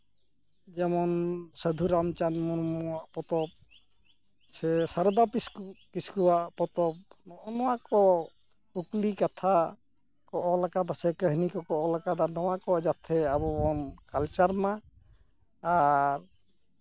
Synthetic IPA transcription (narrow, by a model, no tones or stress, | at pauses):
d͡ʒɛmɔnsəd̪ʱuɾamt͡ʃanmuɾmɔɔwaʔpɔt̪ɔp̚ | sɛsaɾd̪apiskukiskuwaʔpɔt̪ɔp̚nɔʔɔnɔwakɔ | uklikat̪ʰa | kɔʔɔlakad̪asɛkəɦnikɔkɔɔlakad̪anɔwakɔd͡ʒat̪ʰɛabɔbɔnkalt͡ʃaɾma | ɾ